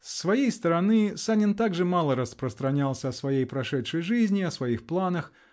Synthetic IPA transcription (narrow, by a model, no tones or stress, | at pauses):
sːvajejst̪əɾanɨsanʲɪnt̪aɡʐɨmalˠəɾəspɾəst̪ɾanʲalˠsʲɐɐsvajejpɾɐʂɛtʂəjʐɨzʲnʲiɐsvajixplˠanəx